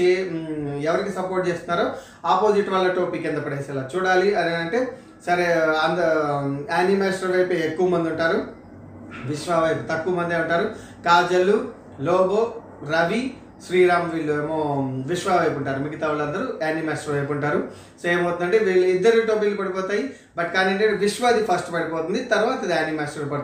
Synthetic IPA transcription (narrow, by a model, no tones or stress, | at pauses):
e | ɛʋɐɾikisɐpoɾʈ̚t͡ʃeːst̪unːaːɾoː | aːpoːd͡ʒiʈːʋaːlːɐʈoːpikːɛnd̪ɐpːɐɽejsɛlaːt͡ʃuːɽaːliɐneɐɳʈeː | sɐɾeɐnd̪ | aːnimaːsʈɐɾʋɐjpeːekːuʋɐmɐnd̪iuɳʈaːɾu | ʋiʂʋaːʋɐjput̪ɐkːuʋɐmɐnd̪ieuɳʈaːɾu | kaːd͡ʒɐlu | lɔːboː | ɾɐʋi | ʃɾiːɾaːmɐʋiːɭːuemoːʋiʃʋaːʋɐjpuɳʈaːɾumiɡɐt̪aːʋulɐnd̪ɐɾuaːnimaːsʈɐɾʋɐjpuɳʈaːɾu | soeːmɐwt̪und̪ɐɳʈeːʋiːɭɐid̪ːɐɾiʈombilupɐɽipɔːt̪aːji | bɐʈkaːniɐɳʈeʈeʋiʂʋaːd̪ipʰɐsʈupɐɽipɔːt̪und̪it̪ɐɾʋaːt̪̬ɐd̪iaːnimaːsʈɾɐɾpɐɽt̪